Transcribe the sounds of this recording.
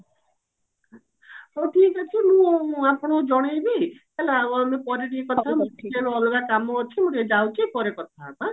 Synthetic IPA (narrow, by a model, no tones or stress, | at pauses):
oʈʰiekat͡ʃʰimũapɔɽ̃ɔd͡ʒɔɽ̃ejbi | ɛlaamepɔɾeʈiekɔt̪ʰaamũeloɔlɔɡakamɔːt͡ʃʰimũʈed͡ʒawt͡ʃʰipɔɾekɔt̪ʰaːpa